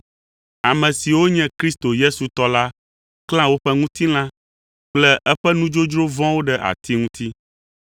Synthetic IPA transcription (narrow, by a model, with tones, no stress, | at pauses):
a˨mɛ̃˨si˨wo˦ɲɛ̃˦kɾi˦st̪o˨je˦su˨t̪ɔ˦la˦ | kl̃ã˦wo˦ɸɛ˦ŋũ˦t̪i˦l̃ã˦ | k͡plɛ˦ʔɛ˦ɸɛ˦nũ˦d͡ʒo˦d͡ʒɾo˦vɔ̃˦wo˦ɖɛ˦ʔa̰˨t̪i˦ŋũ˦t̪i˦